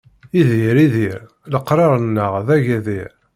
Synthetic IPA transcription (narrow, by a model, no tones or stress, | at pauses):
iðiɾiðiɾ | ləqːɾˤɑɾˤənːəʁðæʝæðiɾ